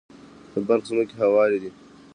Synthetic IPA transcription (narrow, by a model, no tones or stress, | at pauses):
t̪əbɐɾxsunokeɦawɑːɾid̪i